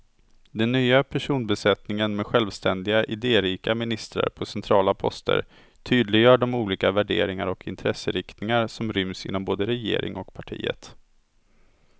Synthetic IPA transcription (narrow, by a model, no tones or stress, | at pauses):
d̪ɛnːyːapʰæʂuːnbɛsɛt̪nɪŋənmɛd̪ɧɛlvst̪ɛnd̪ɪɡaʔɪd̪eːɾiːkamɪnɪst̪ɾa̰ɾpʰɔsɛnt̪ʰɾɑːlapʰɔ̰st̪ʰə̰ɾ | t̪ʰyːd̪lɪɡjœːɖɔmuːliːkavæɖeːɾɪŋaɾɔkʰɪnt̪ʰɾɛsːəɾɪkt̪nɪŋaɾsɔmɾʏmsɪ̰nːɔmboːd̪əɾɛjḛːɾɪ̰ŋɔkpʰaʈʰḭːə̰t̪